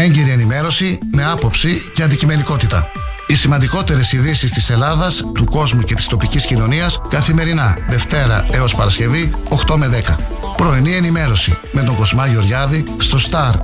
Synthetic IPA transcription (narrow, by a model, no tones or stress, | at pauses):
e̞ɲɟeɾie̞nime̞ɾo̞sime̞ɐpo̞psiceɐnd̪icime̞niko̞t̪it̪ɐ | isimɐnd̪iko̞t̪e̞ɾe̞siðisist̪ise̞lɐðɐst̪uko̞zmuce̞t̪i̥st̪o̞piciscino̞niɐskɐθime̞ɾinɐðe̞ft̪e̞ɾɐ̰e̞o̞spɐɾɐsce̞vi | o̞xt̪o̞me̞ðe̞kɐ | pɾo̞inie̞nime̞ɾo̞sḭme̞t̪̬o̞ŋɡo̞zmɐʝo̞ɾʝɐðist̪o̞st̪ɐɾ